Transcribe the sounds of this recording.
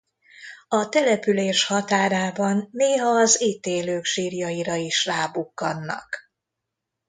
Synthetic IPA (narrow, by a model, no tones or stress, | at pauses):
ɒt̪ɛlɛpyleːʃhɒt̪aːɾaːbɒnːeːɦɒːziːt̪eːløːkʃiːrjɒiɾɒiʃraːbukːɒnːɒ̰k